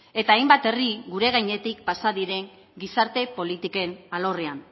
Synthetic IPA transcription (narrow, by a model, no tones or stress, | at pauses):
e̞t̪aːjmbat̪e̞riɡuɾe̞ɣajɲe̞t̪ikpasaðiɾe̞ŋ | ɡisaɾt̪e̞po̞lit̪ike̞nalore̞an